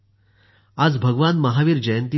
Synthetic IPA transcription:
ad͡zbʱəɡʋanməɦaʋiːɾd͡ʑəjənt̪i

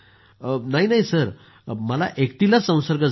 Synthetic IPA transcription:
naɦinaɦisəɾ | məla̰ʔekt̪ilasə̃w̃səɾɡəd͡z

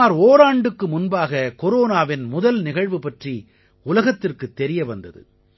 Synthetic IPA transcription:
aːɾoːɾaːɳɖɯkːɯmʊnbaːɣɐkɔɾoːnaːʋɪnmʊðɐlnɪɣɐɻʋɯpɐʈri | ʊlɐɣɐt̪ːɪrkɯt̪ːɛɾɪjɐʋɐnd̪ɐðɯ̰

